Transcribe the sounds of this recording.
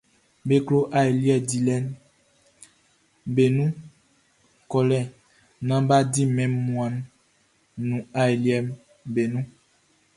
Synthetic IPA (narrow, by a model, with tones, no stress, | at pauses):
be˦klo˦ʔa˦e˨li˦ɛ˨di˨lɛ˦n | be˨nũ˦ | kɔ˨lɛ˦˨ | nã˦ba˦di˦mɛ̃˨˦mːu˨a˨nː | ũ˨a˦jli˦ɛ˦˨m | be˨nũ˦